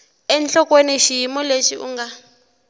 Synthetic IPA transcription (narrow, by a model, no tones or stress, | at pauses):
ɛnɬɔkweniʃijimɔleʃiʔṵŋɡa